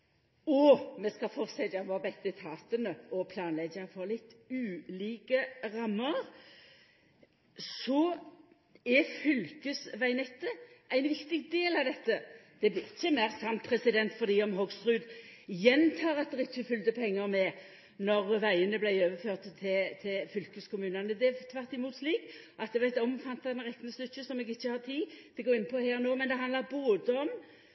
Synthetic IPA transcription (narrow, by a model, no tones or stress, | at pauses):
ɔmɛskɑfɔʁsɛd̪ɛɑmʋɔbɛkd̪ət̪ʰɑːt̪ənəɔpʰlɑːnlɛɡəfɔʁlɪt̪ːʉːliːkəʁɑmːəɾ | sɔ | ɛfʏlkəsʋæɪnɛt̪ːəʔæɪnʋɪkt̪ɪɡ̚d̪eːlɑʋd̪ɛt̪ːəd̪̥ɛblɪɪçːəmæɪʁsɑmt̪pʰʁɛsɪd̪ɛnt̪fɔʁd̪iːɔmɦɔɡst̪ʁʉːd̪jɛnt̪ʰɑːʁɑt̪̚d̪ɛʁɪçːəfʏld̪əpʰɛŋːəɾmɛ | nɔʁʋæɪənəblæɪøːʋəføːʁt̪t̪ʰɪt̪ʰɪlfʏlkəskʰʊmʉːnɑnəd̪ɛæt̪ʰʋɑʁt̪ɪmuːt̪sliːk | ʔɑt̪̚d̪ɛʋɑɛɪt̪ɔmfɑnt̪ːɑɛnʁɛk̪ːnəslʉçːəsɔmɛɡɪçːəhɑʁt̪ʰiːd̪̥ɛɡoːɾɪnːəpʰɔheːʁnoːmɛnd̪ɛɦɑnd̪lɑɾboːd̪əɔm